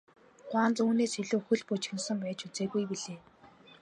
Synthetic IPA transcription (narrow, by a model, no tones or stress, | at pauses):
ɢwaːnt͡suːneːsxiɮuːxɵ̆ɮpʊt͡ɕxɘ̆nsə̆mpæːt͡ɕut͡seːɣujpiɮeː